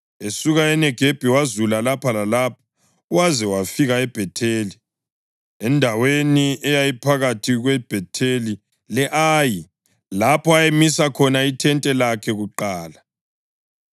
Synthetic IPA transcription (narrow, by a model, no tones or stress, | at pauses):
esuɣaɛnɛɡ̥ʱeb̥ʱiwazulalapʰalalapʰɔ̥ | uwazɛwafiɣaɛb̥ʱɛtʰeːli | ɛndʱaweniɛjajipʰaɣatʰiɣwɛb̥ʱɛtʰeli | lɛʔaːji | lapʰɔajemisakʰɔnaitʰɛntʼɛlakʰɛɣuǃaːla